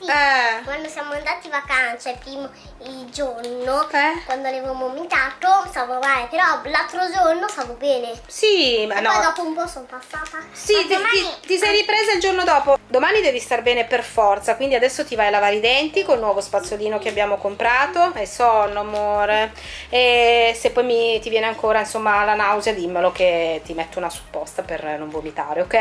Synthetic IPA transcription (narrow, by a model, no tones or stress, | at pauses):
iɛɡwanosjaːmoand̪aːt̪ivakant͡ʃɛpɾiːmo | ild͡ʒornokɛwand̪oalevamomint̪aːt̪ost̪aːvovajpeɾɔlalt̪ɾod͡ʒornost̪aːvobɛːnesimanɔjd̪ɔːpoumpɔsonpasːaːt̪asiiait̪isɛjɾipɾeːzaild͡ʒornod̪ɔːpod̪omaːnid̪ɛːvist̪arbɛːneperfɔrt̪sakwind̪iad̪ɛsːot̪ivajlavaːɾid̪ɛnt̪ikolnwɔːvospat̪sːjoliːnokeabjaːmokompɾaːt̪oesɔnːomoːɾe | esepːɔjmit̪ivjɛːneaŋkoːɾainsomːalanawzjad̪imːelok̟et̪ːimet̪ːunasu̥pːɔst̪apernoɱvomit̪a̰ːɾeokːɛ